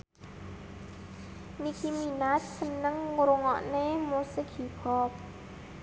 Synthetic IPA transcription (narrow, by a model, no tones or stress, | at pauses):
nikiminat̚sənəŋːuɾʊŋɔ̰ʔnemosəɡ̥ʰi̤b̥ɔp̚